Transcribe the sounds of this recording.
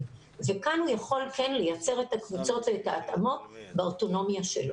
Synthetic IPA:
vekanhujaχo̞lkenlejat͡se̞ʁe̞takvut͡so̞tveːtaːt̪amo̞tbeoto̞no̞mjaʃelo

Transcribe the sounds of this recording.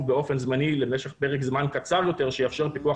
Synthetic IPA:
beo̞fe̞nzmanilemeʃeχpeʁekzmankat͡saljo̞t̪e̞ʁʃejafʃeʁpikua

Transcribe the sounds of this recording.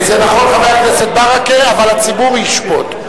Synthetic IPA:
zenaχo̞nkameakneset̪̚baʁakeavalat͡sibuʁjiʃpo̞̰t̪

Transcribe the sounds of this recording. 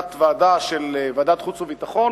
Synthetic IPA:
t̪vaːd̪aʃelvad̪at̪χut͡suvit̪aχo̞

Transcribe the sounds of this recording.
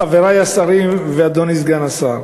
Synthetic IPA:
aveɾajasaʁimvead̪onis̬ɡanasaʁ

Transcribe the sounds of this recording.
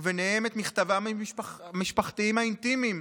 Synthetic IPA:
veneeme̞t̪miχt̪avaʃaχmiʃpaχt̪iimaint̪imim

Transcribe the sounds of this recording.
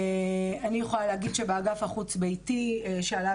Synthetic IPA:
anijeχolaleaɡidʃebeaɡafaχut͡sbejtieʃeala

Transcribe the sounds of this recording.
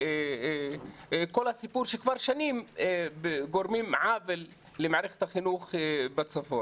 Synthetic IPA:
e | kolhasipuɾʃekvaɾʃanimbeɡoɾmimʕavelː | emaʕɾeχe̥t̪haχinuχbat͡safo

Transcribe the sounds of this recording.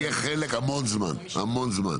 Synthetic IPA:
jeχelekamo̞nzma̰na̰mo̞nzma̰n

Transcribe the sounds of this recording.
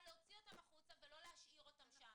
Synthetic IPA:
leot͡sio̞tamaχut͡savelo̞lehaʃʔiʁo̞t̪amʃa

